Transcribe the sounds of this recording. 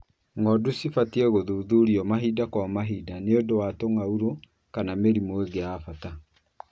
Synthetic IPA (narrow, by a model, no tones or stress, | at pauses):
ŋɔdusifatiɛɣoðuːðuɾiɔmaɦidakwamaɦidaneodowatoŋauɾo | kanameɾimoeɡeaːfata